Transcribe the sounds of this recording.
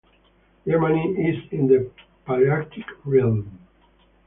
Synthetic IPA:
jɛɹmaniizĩnd̪ə | paliakt̪ʰikɹilˠm

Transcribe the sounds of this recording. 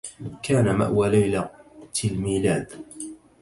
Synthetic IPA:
kaːnama̰ʔwalajlat̪ɪlmiːlaːd̪

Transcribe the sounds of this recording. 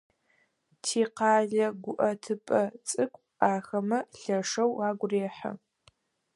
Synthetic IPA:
tʰiːqɑːɮɐɡʷʊʔɐtʰɨpʼɐt͡sʼɨkʷʼ | aːxɐmɐɬɐʂɐwaːɡʷreːħɐ̰

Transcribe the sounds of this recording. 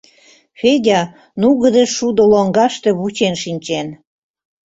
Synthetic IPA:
fedʲɑ | nuɣə̆d̪eʃud̪oloŋɡɑʃt̪e̽βut͡ɕenʃinʲt͡ɕen

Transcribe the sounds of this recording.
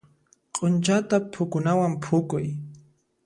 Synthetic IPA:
qʼʊnt͡ʃat̪apʰʊkʊnawampʰʊkʊj

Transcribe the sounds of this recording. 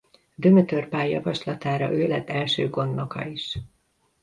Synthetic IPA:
d̪ømøt̪ørpaːjːɒ̰vɒʃlɒt̪aːɾɒ̰ʔøːlɛt̪ːɛlʃøːɡo̞nd̪ːokɒ̰iʃ

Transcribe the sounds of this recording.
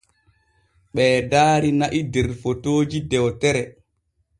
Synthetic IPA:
ɓɛːdaːɾinaʔidɛɾfotoːd͡ʒidɛwtɛɾɛ

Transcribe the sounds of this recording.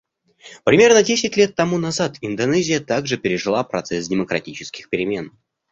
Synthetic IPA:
pɾʲɪmʲe̞rnədʲesʲɪtʲlʲe̞t̪ːɐmunɐzat̪ɪnd̪ɐnɛzʲɪjət̪aɡʐɨpʲɪɾʲɪʐɨlˠapɾɐ̰t̪sɛsdʲɪməkɾɐtʲit͡ɕɪ̥skʲɪxpʲɪɾʲɪmʲe̞n

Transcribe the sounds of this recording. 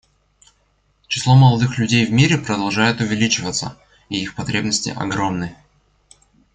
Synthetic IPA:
t͡ɕɪ̥slˠo̞məlˠɐd̪ɨxlʲʉdʲejvmʲiɾʲɪpɾəd̪ɐlˠʐajɪt̪ʊvʲɪlʲit͡ɕɪvət̪sə̰ | iixpɐt̪ɾʲe̞bnəsʲtʲɪ̰ʔɐ̰ɡɾo̞mnɨj

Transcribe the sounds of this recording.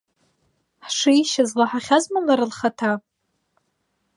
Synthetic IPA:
ħʂijʃazlaħaχʲazmalaɾɨlχatʰa

